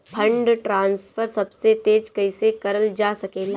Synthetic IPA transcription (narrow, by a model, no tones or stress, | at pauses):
pʰɐ̃ɳɖʈɾãːnsfʰəɾsɐbset̪eːd͡ʒkɐɪsekɐɾəld͡ʒaːsɐkeːlaː